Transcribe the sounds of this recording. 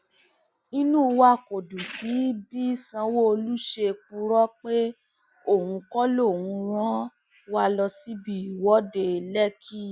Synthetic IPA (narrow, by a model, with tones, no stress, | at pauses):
i˦nũ˦˧wa˦˨ko˨du˨si˨˦bi˦sã˧wo˦o˧lu˦ʃe˧k͡pu˧ɾɔ˦k͡pe˦ | o˦˨wũ˧kɔ˦lo˦˨wũ˧w̃ɔ̃˦ | wa˧lɔ˧si˦bi˦˨wɔ˨˦de˧lɛ˦kʰi˦